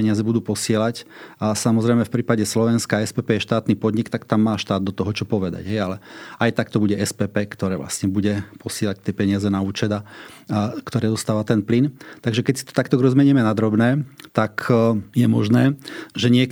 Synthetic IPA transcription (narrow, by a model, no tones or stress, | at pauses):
ɛɲɪazɛbud̪uːpɔsɪɛlacsamɔzɾɛɪmɛfpɾiːpaɟɛslɔʋɛnskaɛspɛːpɛːjɛʃt̪aːt̪nipɔd̪ɲikt̪akt̪amːaːʃt̪aːd̪̚d̪ɔt̪ɔɦɔt͡ʃɔpɔʋɛd̪a̰ɟɦɛjalɛʔajt̪akt̪ɔbuɟɛʔɛspɛːpɛːkt̪ɔɾɛːʋla̰sɲɛbuɟɛpɔsɪɛlac̚t̪ɪɛpɛɲɪazɛnauːt͡ʃɛd̪a | kt̪ɔɾɛːd̪ɔst̪aːʋat̪ɛnplint̪aɡʒɛkɛcsi̥t̪ɔ̥t̪akt̪ɔɡɾɔzmɛɲimɛnad̪ɾɔbnɛːt̪akʰjɛmɔʒnɛːʒɛɲɪɛk